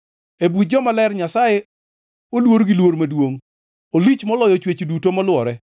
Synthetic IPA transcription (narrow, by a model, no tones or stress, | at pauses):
ebud͡ʒɔmalɛrɲasaje | olwoɾɡɪlwoɾmadwoŋ | olit͡ʃmɔlɔjɔt͡ʃwet͡ʃdutomɔlwɔɾɛ